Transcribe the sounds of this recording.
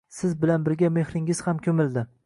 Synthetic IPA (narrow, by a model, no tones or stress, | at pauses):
sɪzbɪlanbɪɾɡʲame̞hɾɪŋɪz̥hamkʲʰɵmɪld̪ɪ